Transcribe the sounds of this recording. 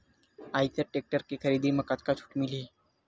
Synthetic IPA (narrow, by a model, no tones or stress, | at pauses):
ait̪əɾʈek̚ʈəɾkekʰəɾiːd̪iməkat̪kat͡ʃʰu̥ːʈmili